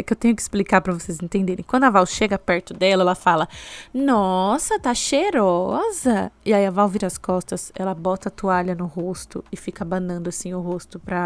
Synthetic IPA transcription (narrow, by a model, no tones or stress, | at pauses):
kewt̪ẽɲjʊkɪ̥splikaɾpɾɐvosezẽnt̪ẽnd̪eɾẽj̃kw̃nd̪ʊavawʃeɡɐpɛɾt̪ʊd̪ɛlɐɛlɐfalɐnɔsɐt̪aʃeɾɔzɐɪaiɐvawviɾɐskɔst̪ɐsɛlɐbɔt̪ɐat̪uaʎɐnʊhost̪ʊ̰ɪfikɐbɐ̃nɐ̃nd̪ʊasĩɲ̃ʊɦost̪ʊpɾɐ